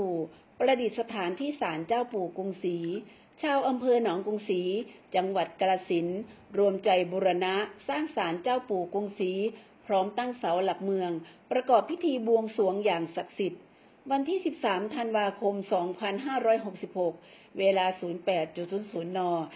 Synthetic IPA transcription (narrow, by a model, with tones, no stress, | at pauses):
uː˨˩ | pɾa˧di˨˩t̪̚sa˧t̪ʰaː˩˦nt̪ʰiː˥˩saː˩˦nt͡ɕaː˥˩wpuː˨˩ko˧ŋsiː˩˦ | t͡ɕʰaː˧wʔa˧mpʰɤː˧nɔː˩˦ŋko˧ŋsiː˩˦t͡ɕa˧ŋwa˨˩t̪̚ka˧la˧si˩˦nɾu˧əmt͡ɕa˧˩jbɔː˧ɾa˧na˦˥saː˥˩ŋsaː˩˦nt͡ɕaː˥˩wpuː˨˩ko˧ŋsiː˩˦ | pʰɾɔː˦˥mt̪a˥˩ŋsa˩˦wla˨˩k̚mɯ˧əŋpɾa˧kɔː˨˩pʰːi˦˥t̪ʰiː˧bu˧əŋsu˩˦əŋjaː˨˩ŋsa˨˩k̚si˨˩t̪̚ | wa˧nt̪ʰiː˥˩si˨˩p̚saː˩˦mt̪ʰa˧nwaː˧kʰo˧msɔː˩˦ŋpʰa˧nɦaː˥˩ɾɔː˦˥˩jɦo˨˩k̚si˨˩p̚ho˨˩k̚ | weː˧laː˧suː˩˦npɛː˨˩t̪̚t͡ɕu˨˩suː˨˩˦nsuː˩˦nːɔː˧